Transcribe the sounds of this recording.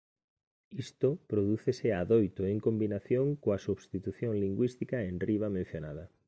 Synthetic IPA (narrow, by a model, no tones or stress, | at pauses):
ist̪opɾoðuθeseaðojt̪oeŋkombinaθjoŋkoɐsuβst̪it̪uθjoŋliŋɡwist̪ikaenriβ̞amẽn̟θjonaðɐ